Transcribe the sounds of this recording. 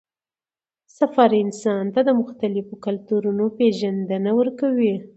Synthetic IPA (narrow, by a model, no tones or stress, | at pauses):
safɑɾɪnsɑnt̪ad̪əmʊxt̪alɪfokalt̪uɾunopeʒand̪ənawəɾkawi